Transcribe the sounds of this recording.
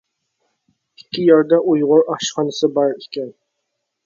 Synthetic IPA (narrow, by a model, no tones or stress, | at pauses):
ɪ̥kʲʰːɪjɑɾd̪ɑʔujʁʊɾɑχʃχɑnɨsɨbɑɾɪkʲʰɛn